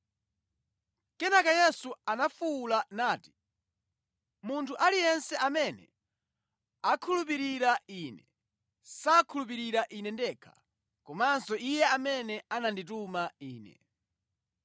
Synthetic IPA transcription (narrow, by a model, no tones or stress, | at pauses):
kɛnakajɛsuanafulanaːti̥ | muntʰuʔalijɛnsɛamɛnɛ̰ | akʰulup̬iɾiɾaiːnɛ | sakʰulup̬iɾiɾaʔinɛndɛːkʰḁ̰ | kɔmansɔijɛamɛnɛanandit̬umaiːnɛ̰